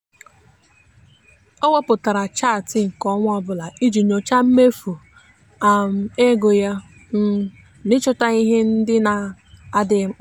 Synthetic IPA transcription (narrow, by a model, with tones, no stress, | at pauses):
ɔ˦wo˦pʊ˨ta˨ɾa˨t͡ʃa˦˨tɪ˦ŋ̩˨kɔ˦ŋʷ˦ɔ˦bʊ˨la˨i˦d͡ʒi˨ɲo˨t͡ʃa˦m̩˦me˦fu˨ | a˨m̩˨e˦ɡo˨ja˦ | n̩˦ | nɪ˦t͡ʃʊ˦ta˦i˦ɦe˦n̩˦dɪ˦na˨a˦dɪ˦